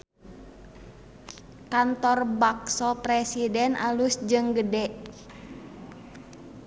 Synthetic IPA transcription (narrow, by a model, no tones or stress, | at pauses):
kant̪ɔrbaksɔpɾɛsidɛnʔa̰lusd͡ʒɨŋɡədɛʔ